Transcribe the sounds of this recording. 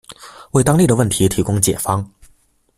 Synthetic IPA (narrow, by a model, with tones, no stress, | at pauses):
we˥˩ɪt̪ɑ˥ŋli˥˩d̪ə˩wə˥˩nt̪ʰi˧˥t̪ʰi˧˥kʊ˥ŋt͡ɕjɛ˨˩fɑ˥ŋ